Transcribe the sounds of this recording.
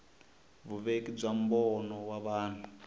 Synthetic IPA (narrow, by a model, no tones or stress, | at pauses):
βuβekib͡ʐam̩bɔnɔwaβaːn̤u